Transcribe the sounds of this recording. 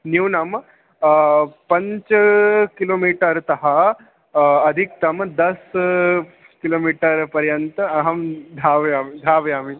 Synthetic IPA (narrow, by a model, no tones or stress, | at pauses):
njuwnɐm | pɐɲt͡ʃkiloːmiːʈɐɾt̪ɐɦɐ | ɐd̪ʱik̚t̪ɐmd̪ɐs | kiloːmiːʈɐɾpɐɾjɐnt̪ɐɐɦɐmd̪ʱaːʋɐjaːmid̪ʱaːʋɐjaːmi